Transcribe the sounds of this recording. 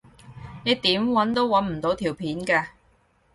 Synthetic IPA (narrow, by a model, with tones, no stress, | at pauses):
ne˨˧jt̪iː˨˥mwɐ˨˥nt̪o˥wːɐ˨˥nm̩˨˩t̪o˨˥wt̪ʰiː˨˩wpʰiː˨˥nkaː˧